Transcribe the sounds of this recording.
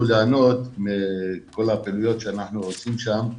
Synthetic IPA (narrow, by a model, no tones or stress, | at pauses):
uleano̞t̪meko̞lhapelujo̞t̪ʃeanaħnuot͡simʃam